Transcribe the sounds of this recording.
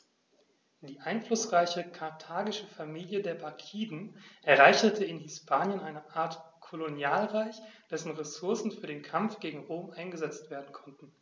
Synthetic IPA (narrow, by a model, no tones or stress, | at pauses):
d̥iːʔaɪnflʊsʁaɪçəkʰaɐtʰaːɡɪʃəfamiːljədeːɐbaɐkʰiːdn̩ʔɛɐʁaɪçɐtʰəɪnɦɪspʰaːnjənʔaɪnəʔaːɐtkʰolonjaːlʁaɪçd̥ɛsn̩ʁesʊɐsn̩fyːɐɾeːnkʰamfɡ̥eːɡŋ̩ʁoːmʔaɪnɡəzɛt͡stv̥eːɐdn̩kʰɔntn̩